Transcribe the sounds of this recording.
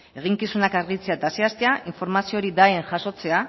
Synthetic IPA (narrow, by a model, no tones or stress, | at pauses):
e̞ɣ̞iŋkisunakaɾɣit͡se̞aet̪aseast̪eaʔiɱfoɾmasio̞ɾid̪aeŋʝaso̞t͡se̞a